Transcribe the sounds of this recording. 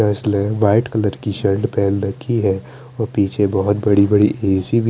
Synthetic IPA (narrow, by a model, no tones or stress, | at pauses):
ɛslɛ̃ʋaːɪʈkɐləɾkiʃɐɾɖpɛːlɾɐkʰːiɦɛː | ɔːɾpiːt͡ʃʰebɔɦʊt̪̚bɐɽibɐɽiʔeːsibʱ